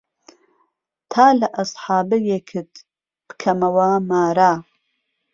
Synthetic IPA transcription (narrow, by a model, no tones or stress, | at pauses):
t̪ʰaːlɐʔɐsˤħɑːbɨjekʰɨt̪ | b̥ɨ̥kʰɐmɐwɐmaːɾaː